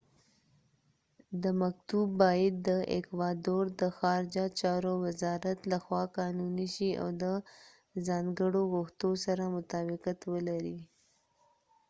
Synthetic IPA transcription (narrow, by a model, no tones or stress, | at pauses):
d̪əmakt̪ubːɑjad̪̚ːəʔḛkwɑd̪oɾd̪əxɑɾɪd͡ʒat͡ʃɑɾowɪzɑɾat̪laxwɑqɑnuniʃia̰wd̪ə | zɑŋɡəɽoɣʊxt̪osaɾamʊt̪ɑbɪqat̪wəlaɾi